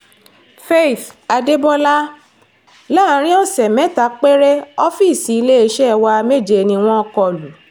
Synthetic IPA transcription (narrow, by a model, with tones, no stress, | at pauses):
fe˦i˨fa˧de˦bɔ˦la˦ | la˦˨˦ɾ̃ĩ˦ɔ˦˨sɛ˨mɛ̃˨˦ta˨˦k͡pe˦ɾe˦ɔ˦fi˦˨si˨i˧˦le˦e˧˦ʃɛ˦˧wa˧me˦˨d͡ʒe˧˨nĩ˧w̃ɔ̃˦ɔ˧kɔ˧˨lu˨